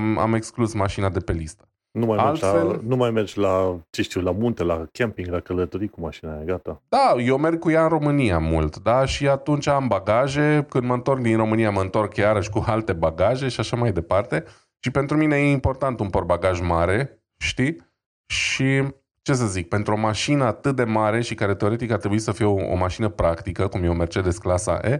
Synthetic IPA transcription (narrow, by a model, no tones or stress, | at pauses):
ma̰me̞ksklusmaʃinad̪e̞pe̞list̪ə̥ | numajaeld͡ʒ̪felnumajmerd͡ʒlat͡ʃeʃt̪iwlamunt̪elakʲʰempiŋɡlakələt̪oɾikumaʃinajaɡat̪ad̪aje̞wme̞rɡ̚kujaɨnro̞mɨnijamṵlt̪d̪aʃiat̪unt͡ʃaambaɡaʒe̞kɨnd̪məɨnt̪o̞rk̚d̪inro̞mɨnijaməɨnt̪o̞rkjaɾəʃʲkualt̪e̞baɡaʒe̞ʃiaʃamajd̪e̞part̪e̞ | ʃipe̞nt̪ɾumine̞jeimpo̞rt̪ant̪unporbaɡaʒmaɾe̞ | ʃt̪i | ʃi | t͡ʃe̞s̬əzik̚pe̞nt̪ɾuo̞maʃinəat̪ɨt̪̚d̪e̞maɾe̞ʃikaɾe̞t̪e̞o̞ɾe̞t̪ikaɾt̪ɾebuisəfio̰maʃinəpɾakt̪ikəkumjeome̞rt͡ʃed̪esklasa̰ʔe